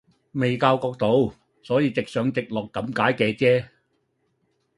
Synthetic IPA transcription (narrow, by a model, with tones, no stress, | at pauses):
me˨˩jkaː˧wkɔː˧k̚t̪o˨˧w | sɔː˨˥jiː˧t͡sɪ˨k̚sœː˨˧ŋt͡sɪ˨k̚lɔː˨kːɐ˨˥mkaː˨˥jkɛː˧t͡sɛː˥